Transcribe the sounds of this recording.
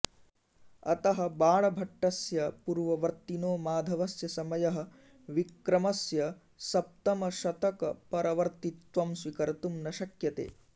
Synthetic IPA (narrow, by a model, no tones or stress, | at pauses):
ɐt̪ɐɦɐ̆baːɭɐbʱɐʈːɐsjɐpuɾʋɐʋɐɾt̪inoːmaːd̪ʱɐʋɐsjɐsɐmɐjɐɦɐ̆ | ʋikɾɐmɐsjɐ | sɐp̚t̪ɐmɐʃɐt̪ɐkɐpɐɾɐʋɐɾt̪it̪ʋɐmsʋikɐɾt̪umnɐʃɐkjɐt̪ḛː